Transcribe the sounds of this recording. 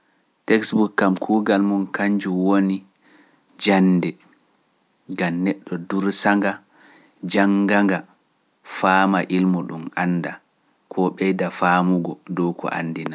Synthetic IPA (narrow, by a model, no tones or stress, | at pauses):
tɛksbukːamkʰuːɡalmunkaɲd͡ʒuwoni | d͡ʒanːdɛ | ɡamnːɛɗːɔduɾsaŋɡa | d͡ʒaŋɡaŋɡa | faːmaʔilmuɗumanːda | kʰɔɓɛjdafaːmuɡɔdɔwkʰɔ̰ʔa̰nːdina